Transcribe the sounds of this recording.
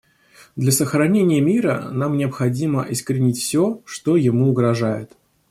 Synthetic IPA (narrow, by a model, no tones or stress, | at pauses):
d̪lʲɐsəxɾɐnʲenʲɪjəmʲiɾə̰namnʲɪɐpxɐdʲiməʔɪskəɾʲɪnʲitʲfsʲoʂt̪o̞jɪmuʊɡɾɐʐajɪ̰t̪